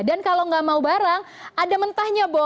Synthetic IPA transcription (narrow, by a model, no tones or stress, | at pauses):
dankalaŋɡaʔmaubaɾaŋ | ʔadamənt̪ahɲabo